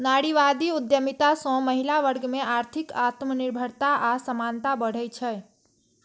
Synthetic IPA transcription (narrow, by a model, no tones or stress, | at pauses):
naɽiʋad̪iud̪jəmit̪asɔ̃məɦilaʋəɾɡmeʔaɾt̪ʰikat̪məniɾbʱəɾt̪aʔasəmant̪abəɽ̤əjt͡ʃʰɛ